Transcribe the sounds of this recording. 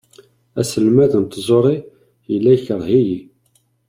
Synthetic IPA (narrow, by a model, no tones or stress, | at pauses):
æsəlmæðənt̪ːzˤoɾˤi | jəlːæjçəɾˤɦiji